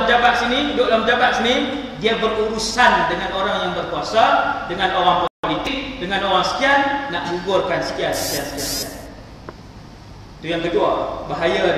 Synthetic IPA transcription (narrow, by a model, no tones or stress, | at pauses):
md͡ʒabat̪̚sinĩdoʔlamd͡ʒabat̪̚sini | diabəruɾusandəŋanoɾajŋjaŋbərkuasadəŋãnoɾaŋppolit̪ɪk̚dəŋãnoɾaŋsə̥kiannaʔɡuɡʊrkansə̥kiansə̥kiansə̥kiansə̥kia̰n | t̪ujaŋkəduabaɦaja